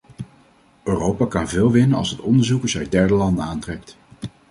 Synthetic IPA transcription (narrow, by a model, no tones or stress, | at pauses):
ʔøːrowpakɑnvɪːlˠʋɪnənɑ̰lˠsɦətɔndəɹzukəzɛɥ̚dɛɹdəlɑndənaːntrɛk̚t